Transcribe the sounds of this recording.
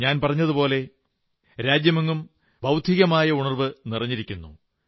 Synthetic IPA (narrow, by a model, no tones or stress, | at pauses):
ɲaːnpɐrɐɲːɐðupo̞ːle̞ | ɾaːd͡ʑjɐmeŋːum | bʱɐwd̪ʱiɣɐmaːjɐuɳɐrʋɨnirɐɲːiɾikʲːunːṵ